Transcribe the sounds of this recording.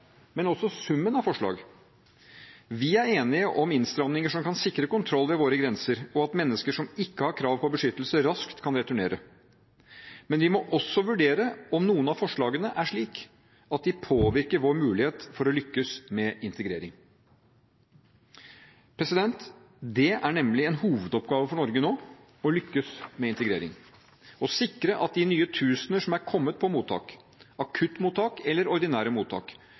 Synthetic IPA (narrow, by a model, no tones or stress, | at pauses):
mɛnɔsɔsʉmːənɑʋfɔʂɭɑ̰ːɡ | ʋɪæɾeːnɪəʔɔmɪnst̪ɾɑmnɪŋəʂɔmkɑnsɪkɾəkʊnt̪ʰɾɔlːʋɛʋoːɾəɡɾɛnsəɾɔɑt̪mɛnːəskəʂɔmɪkːəhɑɾkʰɾɑːʋpʰɔbəʂʏt̪ːəl̩səɾɑskt̪kʰɑnɾɛt̪ʉɳeːɾə | mɛnʋɪmɔʔɔsːɔʋʉɖeːɾəɔmnuːənɑfɔʂɭɑːɡənəʔæʂɭiːk | ɑt̪̚d̪ɪpʰoːʋɪɾkəɾʋoːɾmʉːlɪheːt̪fɔɾɔlʏkːəsmɛɪnt̪əɡɾeːɾɪŋ | pʰɾɛsɪd̪ɛnt̪ | d̪ɛæɳɛmlɪɛnhuːʋəd̪ɔpɡɑːʋəfɔɳɔɾɡənoː | ɔlʏkːəsmɛɪnt̪əɡɾḛːɾɪ̰ŋ | ɔsɪkɾəʔɑt̪̚d̪ɪnyːət̪ʰʉːsənəʂɔmæɾkʰɔmːət̪̚pʰɔmuːt̪ʰɑ̰ːk | ɑkʰʉt̪ːmuːt̪ʰːɑːkɛlːəɾɔɾd̪ɪnæːɾəmuːt̪ʰɑ̰ːk